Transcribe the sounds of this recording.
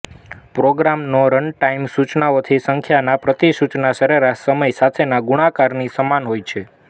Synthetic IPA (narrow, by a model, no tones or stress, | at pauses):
pɾoɡɾamnoɾəɳʈaimsut͡ʃnaot̪ʰisəŋkʰjanapɾət̪isut͡ʃnasəɾeɾaʃsəməjsat̪ʰenaɡuɽakaɾnisəmanɦojt͡ʃʰe